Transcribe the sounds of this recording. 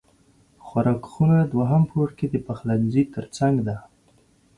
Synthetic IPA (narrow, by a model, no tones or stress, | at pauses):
xwaɾɑkxunad̪waɦampʰoɽked̪əpaxlaɡzit̪əɾt͡saŋɡd̪a